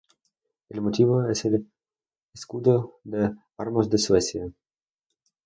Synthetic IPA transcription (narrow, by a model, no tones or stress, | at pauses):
elmot̪iβoesel | eskud̪od̪e | aɾmozd̪eswesja